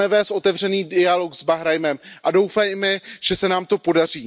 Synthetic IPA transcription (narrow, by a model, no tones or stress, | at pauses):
ɛvɛːst̪ʔo̞t̪ɛvr̝ɛniːdɪalo̞kzbaɦɾajmɛmʔado̞wfajmɛʒ̥ɛsɛnaːmt̪o̞po̞dar̝iː